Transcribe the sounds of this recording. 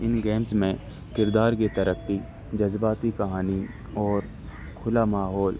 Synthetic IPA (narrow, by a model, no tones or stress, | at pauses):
ɪnɡeːmzmẽ | kɪɾd̪aːɾket̪ɐɾəkːi | d͡ʒɐzbaːt̪ikɐɦaːniɔːɾ | kʰʊlamaːɦɔːl